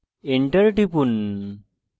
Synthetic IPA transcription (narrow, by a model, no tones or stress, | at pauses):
eɳʈəɾʈipun